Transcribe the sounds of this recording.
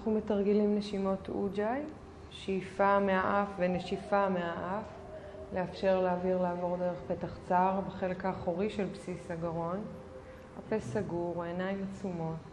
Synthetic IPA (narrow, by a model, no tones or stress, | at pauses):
naχnumetaʁɡilimneʃimo̞tʰud͡ʒaj | ʃijfameaʔafveneʃifameaʔaf | leafʃe̞ʁleːviʁlaavo̞ʁde̞ʁeχpe̞taχt͡saːʁbeχe̞lkaːχoʁiʃe̞lpsisaɡaʁo̞n | apesaɡuʁoenajmat͡sumo̞t